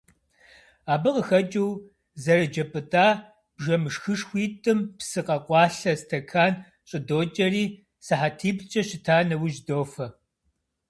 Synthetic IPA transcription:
aːbɨqəxɐt͡ʃʼɐw | zɐrɐd͡ʒɐpʼɨtʼaː | b̥ʒɐmɨʂxɨʂxʷiːtʼɨmpsɨqʼɐqʷʼɑːɬɐstʰɐkʰaːn | ɕʼɪdoːt͡ʃʼɐriː | sɨħatʰiːbt͡ʃʼɐɕɪtʰaːnɐwʒdoːfɐ

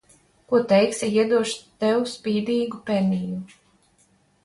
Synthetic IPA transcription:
kuɔt̪ɛjksiiɛd̪uɔʃt̪ɛwuspiːd̪iːɡupɛniju

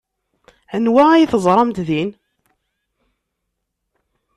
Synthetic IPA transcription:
ənwææjiθəzˤɾˤɑmt̪ðin

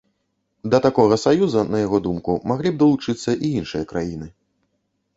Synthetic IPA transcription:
d̪ɐt̪akɔɣɐsajuzɐnɐjaɣɔd̪umkumaɣlʲib̚d̪ɐlˠut͡ʂɨt̪sːɐʔiinʂɨjɐkɾajinɨ

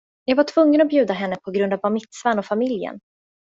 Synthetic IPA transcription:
jɑːɡvaʈʰv̥ɵŋːənɔbjʉ̟ːd̪aɦɛnːəpʰɔɡɾɵnd̪avamɪt̪svanɔfamɪljə̰n

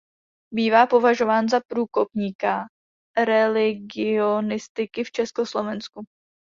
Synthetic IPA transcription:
biːvaːpo̞vaʒo̞vaːnzapɾuːko̞pɲiːka | ɾɛlɪɡɪonɪst̪ɪkɪft͡ʃɛsko̞slo̞vɛnsku

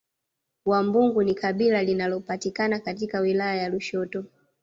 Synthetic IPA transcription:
wambuŋɡunikaɓilalinalɔpatikanakatikawilajajaluʃɔtɔ

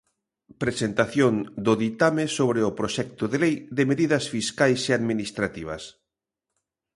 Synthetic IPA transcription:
pɾesent̪aθjond̪ʊðit̪amesoβ̞ɾeʊpɾoʃɛk̚t̪ʊðelejðemeðiðɐsfiskajseaðminist̪ɾat̪iβ̞ɐs

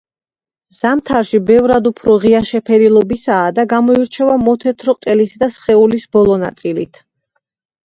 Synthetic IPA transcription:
z̥amt̪ʰaɾʃibɛvɾad̪upʰɾɔʁiaʃɛpʰɛɾilˠɔbisaːd̪aɡamɔiɾt͡ʃʰɛvamɔt̪ʰɛt̪ʰɾɔqʼt̪ʼɛlisd̪asχɛulisbɔlˠɔna̰t̪sʼilḭt̪ʰ

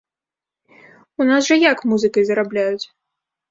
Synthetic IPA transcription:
unas̬ʐɐjakmuzɨkɐjzɐɾablʲajut͡sʲ

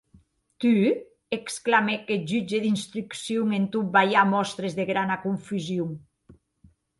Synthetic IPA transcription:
t̪y | eksklamekeʒyd͡ʒeðinst̪ɾyksjuŋent̪ubajamɔst̪ɾezðeɣɾanakuɱfyzjuŋ

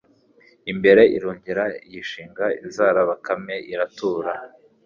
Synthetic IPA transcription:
imbe̞ɾe̞ʔḭɾuːɲɟiɾajiʃiːŋɡaḭnzaːɾaβakame̞ʔiɾatuːɾa

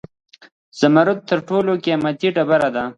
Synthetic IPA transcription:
z̥amaɾʊt̪̚ːəɾʈolokeamat̪iʈabaɾad̪a

